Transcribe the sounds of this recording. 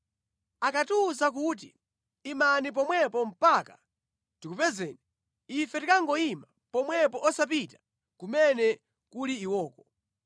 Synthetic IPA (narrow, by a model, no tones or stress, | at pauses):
akatusak̬ut̬iː | manip̬ɔmwɛpɔm̩paka | tikupɛzɛni | ifɛtikaŋɡɔima | pɔmwɛpɔʔɔsap̬itḁ | kumɛnɛ | kuliːwɔːkɔ